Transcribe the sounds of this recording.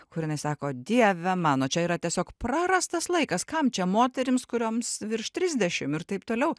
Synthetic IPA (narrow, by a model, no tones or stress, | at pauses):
kʊɾjɪnɐɪsɑːkoːd̪ʲiɛʋʲɛmɑːnoːt͡ʃʲɛiːɾɐt̪ʲiɛsʲoːkpɾɑːɾɐst̪ɐslˠɐɪkɐskɐmt͡ʃʲɛmoːt̪ʲɛɾʲɪmskʊɾʲoːmsʋʲɪɾʃt̪ʲɾʲɪzʲd̪ʲɛʃʲɪmɪrt̪ɐɪpt̪oːlʲɛʊ